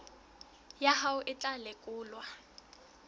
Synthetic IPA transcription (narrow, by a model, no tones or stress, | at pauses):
jaɦaʊʔɪt͡ɬʼalɪkʼʊːlwa